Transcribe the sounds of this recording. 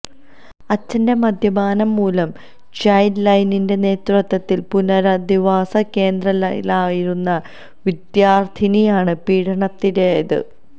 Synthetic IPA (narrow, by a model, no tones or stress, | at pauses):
ɐt͡ɕːɐndemɐd̪ʱjɐbaːnɐmːuːlɐm | t͡ɕɐjnlɐjninde̞ne̞ːt̪rɐt̪ːɐt̪ːilpunɐɾɐd̪iʋaːsɐke̞ːnd̪rɐllaːjiɾunːɐ | ʋid̪jaːrt̪ʰinijaːɳɨpiːɽʰɐɳɐt̪ːineðɨ̰